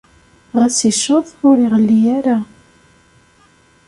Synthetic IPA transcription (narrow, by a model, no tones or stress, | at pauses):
ʁæsiʃoðˤʊɾiʁəlːijaɾa